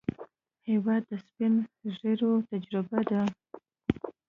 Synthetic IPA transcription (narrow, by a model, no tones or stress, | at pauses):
hewɑd̪ːəspɪnʐeɾot̪ad͡ʒɾɪbad̪a